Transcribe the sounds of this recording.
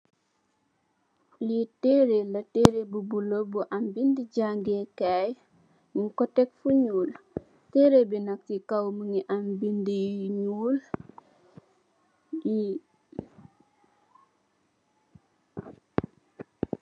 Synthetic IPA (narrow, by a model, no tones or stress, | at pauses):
liteɾelɐteːɾebubulobuʔambindiɟaŋɡekaj | ikɔtɛkfuɲuːl | teɾebinak̚tikawməŋiʔambindijɲuːl | ji